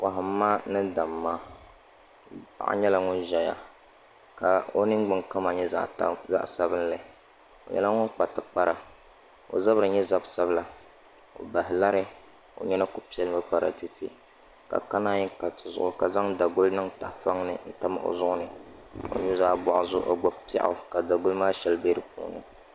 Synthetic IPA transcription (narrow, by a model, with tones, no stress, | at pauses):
pa˨ɦɪ˨m̩ː˦aː˦nɨ˦da˨mːa˦ | pa̰˨ʔa̰˦ɲɛ˦la˦ŋʊ˦nʒɛ˨ja̰˨ | ka˨o˦nɨ˦ŋɡ͡bɨ˦ŋka˦ma˨ɲɛ˦za̰˦˨ʔza̰˦ʔsa˦bɨ˦n˦la˦˨ | o̰˨ɲɛ̰˦la˦ŋʊ˦k͡pa˨tɨ˨k͡pa˦ɾa˨ | o̰˨za˦bɾɨ˨ɲɛ˦za˦bsa˦bla˨ | o̰˨ba˨ɦɪ˨la˦ɾɨ˦ | o̰˨ɲɛ˦na˦ku˦pi˨ɛ˨lɨ˦ma˦k͡pa˦ɾa̰˨tɪ˨tʰɪ˦ | ka̰˨ka˦naː˦ɲi˦ka˨tɨ˨zʊ̰˨ʔʊ˨ka˨za˦ŋda˨ɡʊ˦lnɨ˦ŋta˨fa˦ŋnɨ˨n̩˦ta˦ma̰˨ʔo̰˨zʊ˦ʔʊ˦nɨ˨o̰˨ɲu˦zaː˦bɔ˨ʔʊ˨zʊ˦ʔo˨ɡ͡ba˦pɛ̰˦ʔʊ̰˨ka˨da˨ɡʊ˦lmaː˦ʃɛ˨lbe˦ɾɨ˨pʰṵ˨˦nɨ̰˨